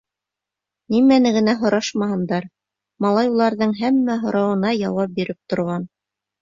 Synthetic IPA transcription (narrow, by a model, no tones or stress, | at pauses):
nimænɘ̆ɡɘ̆næɦŏɾʔɑʃmɑɦɤ̆nd̪ɑɾ | mɑlˠɑjulˠɑɾðɤɴɦæmːæɦŏɾɑwɤ̆nɑjɑwɑp̚biɾɘp̚t̪ŏɾʁɑn